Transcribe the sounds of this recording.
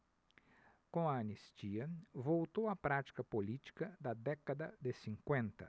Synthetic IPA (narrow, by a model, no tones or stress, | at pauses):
kõɐɐnist͡ʃiɐvowt̪owɐpɾat͡ʃi̥kɐpolit͡ʃi̥kɐd̪ɐd̪ɛkɐd̪ɐd̪ɪsĩŋkwẽnt̪ɐ